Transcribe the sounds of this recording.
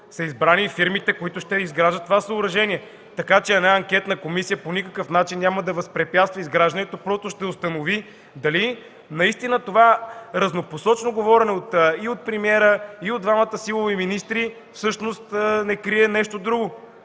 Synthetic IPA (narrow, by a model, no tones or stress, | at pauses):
sɐizbɾanifiɾmit̪ɛkoit̪ʊʃt̪ɛizɡɾaʒət̪t̪ːovasɐːɾɐʒɛniɛ | t̪ɐkat͡ʃɛɛnaɐŋkʲɛt̪nəkomisijəponikəkɤfnat͡ʃinːʲaməd̪ɐvɐspɾɛpʲjat̪st̪vəizɡɾaʒd̪ənɛt̪opɾɔst̪ʊʃt̪ɛʊst̪ɐnovi | d̪ɐli | nɐist̪inət̪ovaɾɐznoposɔt͡ʃnoɡovɔɾɛnɛot̪iot̪̚pɾɛmiɛɾəiod̪d̪vamət̪əsilˠoviminist̪ɾi | fsɤʃnost̪ːnɛkɾiɛnɛʃt̪od̪ɾuɡo